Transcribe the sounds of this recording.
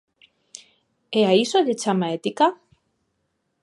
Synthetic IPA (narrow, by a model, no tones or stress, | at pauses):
eaisolet͡ʃamaet̪ika